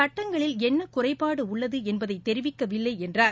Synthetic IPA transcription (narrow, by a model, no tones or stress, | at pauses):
ɐʈːɐŋɡɐɭɪlɛnːɐkʊrɐɪpːaːɽɯʊɭːɐðɯɛnbɐðɐɪt̪ːɛɾɪʋɪkːɐʋɪlːɐɪɛndraː